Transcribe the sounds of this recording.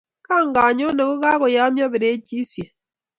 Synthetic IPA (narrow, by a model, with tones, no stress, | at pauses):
ka˦˨ŋ˦ɡa˨ɲo˦ne˨ko˦ka˦ɣɔ˨ja˦mjɔ˦be˨ɾe˨˦t͡ʃi˦sje˨